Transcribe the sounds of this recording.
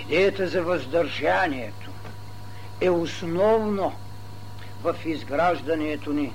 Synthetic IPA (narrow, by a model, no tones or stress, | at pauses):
id̪ɛjət̪əzɐvɐzd̪ɐɾʒaniɛt̪ʰo̥ | ɛʊsnɔvno | vɐfizɡɾaʒd̪ɐniɛt̪oni